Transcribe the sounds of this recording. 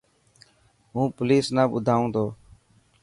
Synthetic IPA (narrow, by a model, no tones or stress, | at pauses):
ɦũːpliːsnaːɓʊ̰d̪ʱaːũːd̪oː